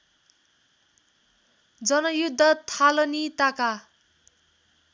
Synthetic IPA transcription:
d͡zʌnʌjud̪ʱːʌt̪ʰalʌnit̪aka

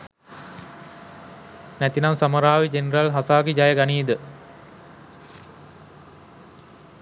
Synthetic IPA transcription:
næt̪inaŋsaməɾaːʋid͡ʒeneɾalɦasaːɡed͡ʒajəɡaniːd̪ə

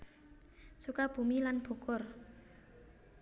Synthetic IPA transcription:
sukab̥ṳmilanb̥o̤kʊr

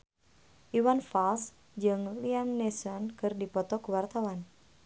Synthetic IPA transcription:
ʔiwanfals | d͡ʒəŋliamnɛsɔnkɨrdipɔt̪ɔkuwart̪awan

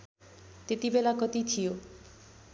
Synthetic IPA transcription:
t̪et̪ibelakɔt̪it͡ʃʰijo

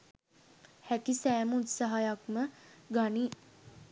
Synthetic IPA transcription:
hækisæːmut̪saɦajakməɡani

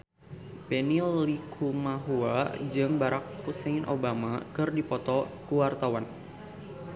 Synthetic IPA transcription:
pɛnilːikʰumaɦuad͡ʒɨŋbaɾak̚huseinʔo̰bamakɨrdipɔt̪ɔkuwart̪awan

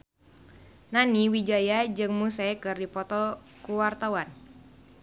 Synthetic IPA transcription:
naniwid͡ʒajad͡ʒɨŋmusakɨrdipɔt̪ɔkuwart̪awan

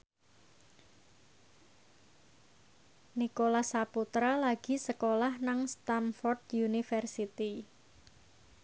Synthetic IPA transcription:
nikolasaput̪ɾalaɡ̥i̤səkolahnaŋst̪anfɔrd̪junifɛrsit̪i

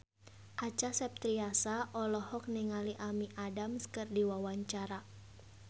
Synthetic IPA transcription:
ʔat͡ʃasɛp̚t̪ɾiasaʔɔlɔhɔk̚niŋaliʔamiʔadamskɨrdiwawaɲt͡ʃaɾa

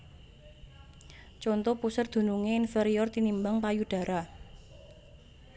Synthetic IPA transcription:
t͡ʃɔnt̪ɔpusərd̪̥ṳnuŋeinfeɾiɔrt̪inimbaŋpajuɖ̥ä̤ɾʔa

